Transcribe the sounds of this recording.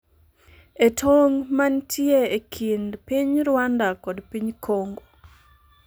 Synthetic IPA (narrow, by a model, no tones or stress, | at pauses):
etʰoŋmantʰjeekʰindpiɲɾwandakɔdpiɲkʰoŋɡo